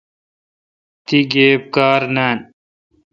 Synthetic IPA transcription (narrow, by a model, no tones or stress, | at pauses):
t̪iɡeːp̚kaːɾnaːn